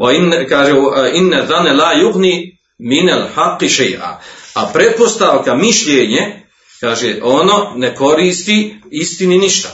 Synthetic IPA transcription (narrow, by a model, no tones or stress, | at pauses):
wainkaːʒeʔinːɛðanːɛlaːjuɣniː | minalħaqːiʃejʔa̰ːapɾepost̪aʋkamiʃʎeːɲe | kaːʒeʔononeko̞ɾiːst̪iist̪ininiʃt̪a